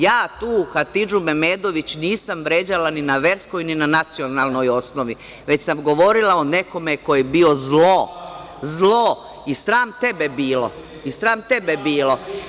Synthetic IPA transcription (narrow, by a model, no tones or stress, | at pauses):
jaːt̪uːxat̪id͡ʒume̞meːd̪o̞ʋit͡ɕniːsamʋɾe̞ːd͡ʑalaninaʋe̞ɾsko̞jninanat̪sio̞nalˠno̞jo̞snoʋi | ʋe̞t͡ɕsamɡo̞ʋo̞ɾilˠaone̞ko̞me̞ko̞jebio̞zlo | zlˠo | isɾaːmt̪e̞be̞biːlo̞̰ | isɾaːmt̪e̞be̞biːlˠo̞